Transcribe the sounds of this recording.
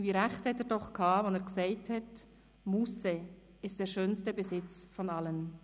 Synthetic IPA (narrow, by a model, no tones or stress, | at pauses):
viːɾɛχthɛteːɾdɔχkʰaːvɔneːɡsɛɪthɛt | musɛ | ɪstd̥eːɾʃøːnstəbezɪt͡sfɔnɑlən